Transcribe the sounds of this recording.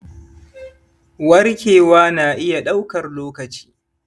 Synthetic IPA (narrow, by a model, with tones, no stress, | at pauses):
wɐ˦rkʲeː˨waː˦naː˨ʔɪ˦ja˨ɗa˦wkɐ˨rloː˦kɐ˨t͡ʃi̥ː˦